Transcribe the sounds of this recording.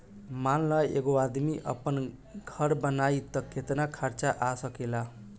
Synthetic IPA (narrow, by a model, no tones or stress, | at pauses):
manlʌjḛɡoad̪miʔʌ̰pʌn | ɡʱʌɾbʌnajt̪ʌkʰːet̪nakʰaɾt͡saʔasʌkela